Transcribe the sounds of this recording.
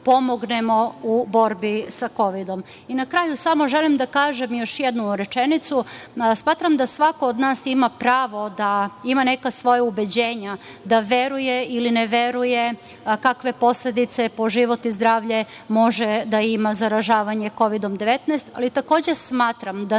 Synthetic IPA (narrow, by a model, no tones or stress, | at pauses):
po̞moɡnemo̞ubo̞ɾbisako̞ʋid̪o̞m | inakɾaːjusamo̞ʒelimd̪akaːʒemjo̞ʃjed̪nuɾet͡ʃenit̪susmaːt̪ɾamd̪asʋakood̪naːsimapɾaːʋo̞d̪aimanekasʋo̞jaubed͡ʑe̞ːɲa | d̪aʋe̞ɾujeilineʋe̞ɾuje | kakʋe̞po̞sled̪it̪sepo̞ʒiʋo̞t̪izd̪ɾaːʋʎe | mo̞ʒed̪aimazaɾaʒaːʋaɲe̞ko̞ʋid̪o̞md̪eʋet̪nɛst̪a̰lit̪ako̞ːd͡ʑesmaːt̪ɾamd̪a